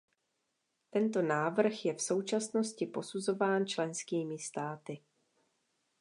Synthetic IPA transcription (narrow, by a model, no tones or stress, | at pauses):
t̪ɛnt̪o̞naːvr̩xjɛfso̞wt͡ʃasno̞scɪpo̞suzo̞vaːnt͡ʃlɛnskiːmɪst̪aːt̪ɪ